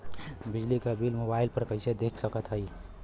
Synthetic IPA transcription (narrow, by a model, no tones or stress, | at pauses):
bid͡ʒlikebilmobailpəɾkəɪsed̪ekʰsəkət̪ɦəj